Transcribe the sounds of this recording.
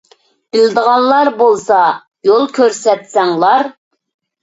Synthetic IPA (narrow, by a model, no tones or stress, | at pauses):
b̥ɪld̪əʁɑnlːˠɑɾbolˠsɑ | jolˠkʲʰøɾsɛt̪sɛŋlˠɑɾ